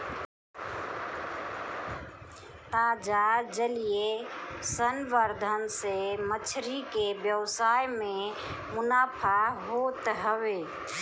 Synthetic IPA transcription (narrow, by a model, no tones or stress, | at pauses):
t̪ad͡ʒad͡ʒəlijesənʋəɾd̪ʱənsemət͡ʃʰɾikebjəwsajme | munapʰaɦot̪ɦəwe